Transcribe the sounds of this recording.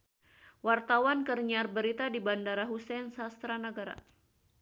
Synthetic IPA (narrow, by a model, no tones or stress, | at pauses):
wart̪awankərɲarbəɾit̪adibandaɾaɦusɛnsast̪ɾanəɡaɾa̰